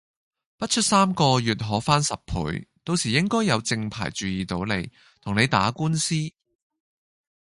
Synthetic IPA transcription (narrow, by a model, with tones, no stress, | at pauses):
pɐ˥t̚t͡ʃʰɵ˥t̚saː˥mkɔː˧jyː˨t̚ɦɔː˨˥faː˥nsɐ˨p̚pʰṵː˨˥jt̪o˧wsiː˨˩jɪ˥ŋkɔː˥jːɐ˨˧wt͡sɪ˧ŋpʰa̰ː˨˩jt͡ʃyː˨jiː˨t̪o˨˧˥wlḛ˨˧j | t̪ʰʊ˨˩ŋne˨˧jt̪aː˨˥kuː˥nsiː˥